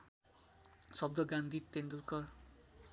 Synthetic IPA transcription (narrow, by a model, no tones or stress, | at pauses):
sʌb̚d̪ʌɡãnd̪ʱit̪ːend̪ulkʌr